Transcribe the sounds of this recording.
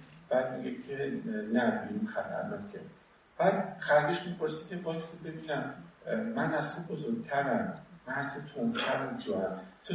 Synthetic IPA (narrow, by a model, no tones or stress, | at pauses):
b̥æːd̪̚miɡecʰe̞næbiinxæt̪ʰæ̰ɾnɒːkʰe | b̥æːd̪xæɾɡeʃmipʰoɾsicʰebɒjsibe̞biːnæmː | ænæst̪obozoɾɡ̚t̪ʰæɾæmmænhæst̪ot̪ʰomt̪ʰæɾæmd͡ʒɒɾæmt̪ʰo